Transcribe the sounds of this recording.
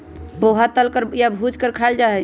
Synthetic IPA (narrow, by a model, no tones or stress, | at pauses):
boɦat̪əlkəɾjabʱud͡ʒkəɾkʰaeld͡ʒaɦɛ